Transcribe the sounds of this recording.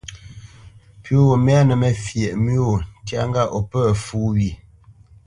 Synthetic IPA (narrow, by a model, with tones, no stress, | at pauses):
pjo˦˨mɛ˦a˦nə˨mɛ˨fje˨ʔmi˦o˨n˨tja˦ŋɡa˦˨ʔɔ˨pə˦˨fu˦wi˨